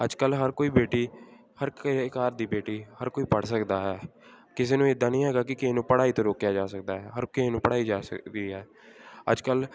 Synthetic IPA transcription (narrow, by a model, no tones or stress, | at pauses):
əd͡ʒkəlɦəɾkoːiːbeːʈiː | həɾkaːɾd̪iːbeːʈiːhəɾkoːiːpəɽsəkd̪aːɦɛː | kɪseːnũːɪd̪ːãːnəĩːɦɛːɡaːkɪkɪːnũːpəɽaːiːt̪õːɾoːkjaːd͡ʒaːsək̚d̪aːɦɛːɦəɾkɪːnũːpəɽaːiːd͡ʒaːsəkd̪iːɦɛː | ə̰d͡ʒkəl